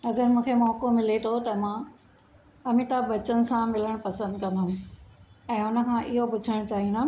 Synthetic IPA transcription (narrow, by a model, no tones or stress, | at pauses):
ɐɡəɾmũːkʰemɔːkomɪlet̪ʰot̪ɐmãː | ɐmit̪abɐt͡ɕənɪ̆sãmɪləɽ̃pɐsə̃nd̪kɐ̃nd̪aɦʊ̃ | ɛ̃ːʊnə̆kʰãʔɪɦopʊd͡ʑʱəɽ̃t͡ɕaːɦĩna